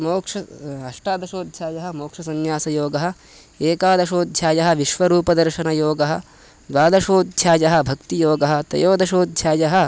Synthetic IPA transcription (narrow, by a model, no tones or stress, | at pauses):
moːkʂɐɐʂʈaːd̪ɐʃoːd̪̚t͡ʃʰaːjɐɦɐ̆moːkʂɐsɐnjaːsɐjoːɡɐɦɐ̆ | eːkaːd̪ɐʃoːd̪jaːjɐɦɐ̆ʋiʃʋɐɾuːpɐd̪ɐɾʃɐnɐjoːɡɐɦɐ̆ | d̪ʋaːd̪ɐʃoːd̪t͡ʃaːjɐɦɐ̆bʱɐkt̪ijoːɡɐɦɐ̆t̪ɐ̰joːd̪ʱɐʃoːd̪t͡ʃaːjɐɦɐ̆